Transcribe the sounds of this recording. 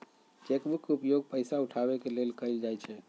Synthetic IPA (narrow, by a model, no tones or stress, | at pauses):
t͡ʃekbukːeupjoɡ̚pəjsauʈʰaβekelelkəld͡ʒajt͡ʃʰɛ